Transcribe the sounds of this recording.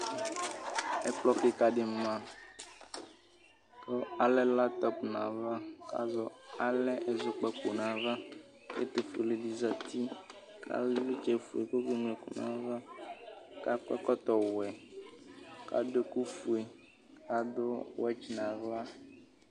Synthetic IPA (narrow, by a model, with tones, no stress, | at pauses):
ɛ˦k͡plɔ˦kɪ˦ka˨ɖɪ˦m˦mã˦ | ko˦a˨lɛ˦la˦t̪ɔ˦pnã̰˨va˦ka̰˦zɔ˨a˦lɛ˦ʔe˨zʊ˨k͡pɛ˨ku˨nã˨va˦ | kḛ˦t̪e˨fu˨le˨di˨za˨t̪ʰi˦ | kʰa̰˦lvi˦t͡ʃɛ˨fu˨e˨ko˦ɡe˦ŋ˨ɛ˨kṵ˨nã̰˨va˦ | ka˦kɛ˦kɔ˦t̪ɔ˨wɛ˨ | ka̰˦do˦ku˦fu˨e˨ | ka˦do˦wɛ˦t͡ʃnã˨va˦